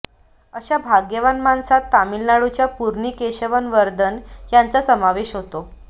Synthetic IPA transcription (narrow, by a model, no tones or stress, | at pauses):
əɕabʱaɡjeʋanmansat̪ːamilnaɽut͡ɕjapuɾɳiːkeɕəʋənʋəɾd̪ənjant͡sasəmaʋeɕɦot̪o